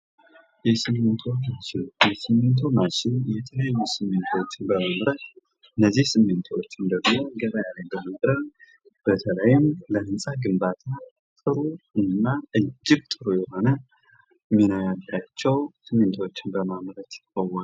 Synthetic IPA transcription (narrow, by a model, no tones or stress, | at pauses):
jɛsɨmːɨnt̪ʰomat͡ʃɪjɛsɨmːɨnt̪ʰomaʃɪnjɛt̪ʰələjajːusɨmːɨnt̪ʰwot͡ʃːɪnbəmamɾət̪ | ɨnːəzːihsɨmːɨnt̪ʰawot͡ʃːɪnd̪əɡmoɡəd̪ajaləjbəmad̪ɾəβ | b̥ət̪ʰələjɪmləhɨnsʼaɡɨmbat̪ʰa | t̪ʼɨɾuɨnːaɨd͡ʒːɪɡ̚t̪ʼɨɾujɛho̞nə | mːinəjalːat͡ʃːɛwsɨmːɨnt̪ʰwot͡ʃːɪnbəmamɾət̪əwːal